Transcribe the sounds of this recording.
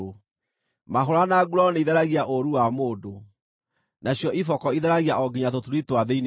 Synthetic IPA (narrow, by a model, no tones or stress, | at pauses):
maɦoɾanaɡuɾɔneiðɛɾaɣiaʔoɾuwamoːdo | naɕjɔʔifɔkɔiðɛɾaɣiaʔɔɡiɲatotuɾitowaðein